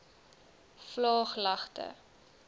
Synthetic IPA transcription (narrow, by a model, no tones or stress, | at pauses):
flɑːχlɐχtə̰